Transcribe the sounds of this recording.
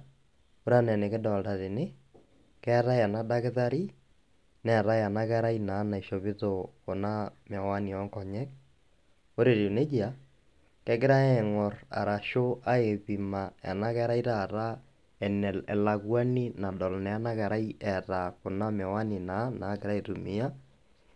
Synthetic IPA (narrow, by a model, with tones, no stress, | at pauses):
o˦ɾa˦nɛ˨ne˨kɪ˦dɔ˨lda˨ɾɪ˨nɪ˦ | kɛ˦ɾa˦a˨na˦da˦kɪ˦ða˦ɾi˦ | nɛ˦˨ɾa˦ja˨na˦kɛ˦ɾa˦ina˨˦na˨i˨ʃo˨βɪ˦to˨ko˨na˦m˨ɛ˨wa˦ni˨ɔ˦ŋkɔ˨ɲɛ˦k̚ | o˦ɾe˨ɾi˨ne˦d͡ʒi˦a˨˦ | kɛ˦kɪ˦ɾa˦ɛ˨ŋɔ˨ɾa̰˨ɾa˨ʃo˦a˦e˨βi˨ma˨a̰˨na˦kɛ˦ɾa˦i˦ɾaː˦˨ɾa˦ | ɛ˨nɛɛ˨la˨ɣwa˦ni˦na˨dɔ˨lnɛ˨a˦na˦kɛ˨ɾa˦i˦ɛ˨ɾa˨ko˨na˦mɛ˨wa˦ni˨na˨˦naː˨˦kɪ˨ɾa˦e˨ɾu˨mi˨˦a˦